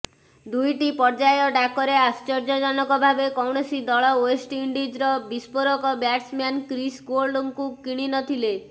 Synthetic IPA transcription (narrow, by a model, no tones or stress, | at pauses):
d̪ujʈipɔɾd͡ʒajɔɖakɔɾeast͡ʃɔɾd͡ʒɔd͡ʒɔnɔkɔbʱabekɔwɳɔsid̪ɔɭɔwesʈiɳɖid͡ʒɾɔbispoɾɔkɔbjaʈsmankɾisɡoɾɖuŋkukiɽ̃inɔt̪ʰile